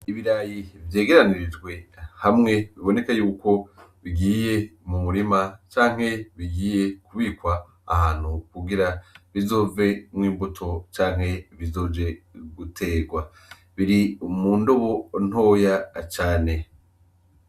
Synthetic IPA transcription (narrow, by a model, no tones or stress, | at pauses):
iβiɾajivje̞ːɡe̞ɾaniɾid͡ʒɡwe̞hamŋe̞βiβo̞ne̞kajuːko̞βiɡiːje̞mumuɾimat͡ʃaːŋ̥he̞βiɡiːje̞kuβiːkwa̰ː | haːn̥hukuɡiɾaβizo̞ːve̞mŋiːmbutʰo̞t͡ʃaːŋ̥ɦe̞βizo̞ːd͡ʒe̞ɡutʰe̞ːɡwa | βiɾimuːndo̞βo̞n̥ho̞ːjat͡ʃaːne̞